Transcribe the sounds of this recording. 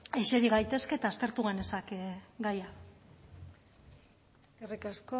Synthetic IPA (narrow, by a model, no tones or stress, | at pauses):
eʃe̞ɾiɣajt̪e̞ske̞ːt̪aːst̪e̞ɾt̪uɣane̞sakeɡaja | kerikasko